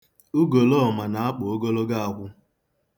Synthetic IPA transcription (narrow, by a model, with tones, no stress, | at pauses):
u˦ɡo˨lɔ˦ɔ˨ma˨na˨a˦k͡pʊ˨o˦ɡo˦lo˦ɡa˦a˨kʷʊ˦